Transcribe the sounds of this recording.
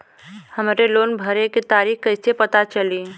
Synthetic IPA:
hɐmɾeloːnbʱəɾeket̪aːɾiːxkɐɪsepɐt̪at͡ʃəli

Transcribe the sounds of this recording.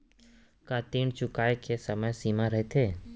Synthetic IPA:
kat̪iɳt͡ʃʊkajkʰesəməjsimãɾəɦet̪ʰeː

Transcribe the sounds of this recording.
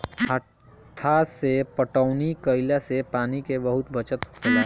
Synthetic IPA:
ɦə | t̪ʰːasepəʈəʊnikəɪlasepaːnikebɐɦʊt̪bət͡ʃət̪kela

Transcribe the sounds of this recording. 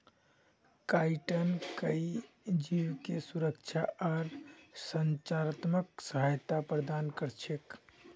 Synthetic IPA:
kaʈənkəi | d͡ʒiwkesuɾəkt͡ʃʰaʔɔɾsənt͡ʃaɾət̪məksəɦajt̪apɾəd̪ankəɾt͡ʃʰek

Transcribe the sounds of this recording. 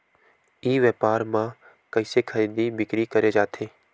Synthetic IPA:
iːʋjɛːpaːɾmã | kɐɪsekʰəɾid̪ibɪkɾikɐɾed͡ʒaːt̪ʰeː

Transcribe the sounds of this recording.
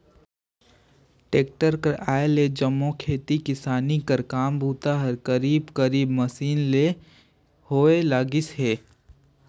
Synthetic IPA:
ʈeːk̚ʈəɾkəɾaːeled͡ʒəmːõkʰeːt̪ikɪsaːnikəɾkaːmbʱuːt̪aɦɐɾkəɾiːbkəɾiːbməsiːnle | hoːelaːɡɪsɦeː

